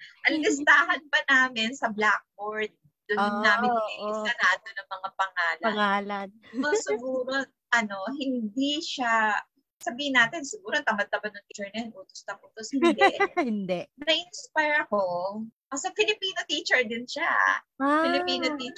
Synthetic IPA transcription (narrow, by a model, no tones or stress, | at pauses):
ʔɐlɪst̪aːɦɐnbɐnaːmɪnsɐblak̚boɹd̪̚ːʊnaːmɪnoɛʔɪsɐnɐʔɐd̪onɐŋmɐŋapɐŋaːlɐɐŋaːlɐnɐsɪɡuːɾo | ʔɐno̞ɦɪnd̪iʃa | sɐbiːhɪnːaːt̪ɪnsɪɡuːɾot̪ɐmɐd̪̚t̪ɐbɐd̪̚nɐŋt̪it͡ʃɛɹnɐɛnʔuːt̪ost̪ɐmʔuːt̪oshɪnd̪ɛʔhɪnd̪ɛʔnɐʔɪnspajɹɐko̞ʔɐsofɪlɪpiːnot̪iːt͡ʃɛɹd̪ɪnʃa̰ | afɪlɪpiːnot̪iːt͡ʃ